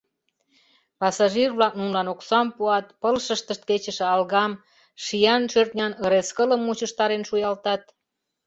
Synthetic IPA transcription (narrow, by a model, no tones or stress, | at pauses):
pɑsɑʒirβlɑk̚nunlɑnoksɑmpuɑt̪̚pəlʃəʃt̪əʃt̪̚ket͡ɕə̆ʃĕɑlɣɑm | ʃijɑnʃørt̪̚nʲɑnə̆ɾeskələmːut͡ɕəʃt̪ɑɾenʃujɑlt̪ɑt̪̚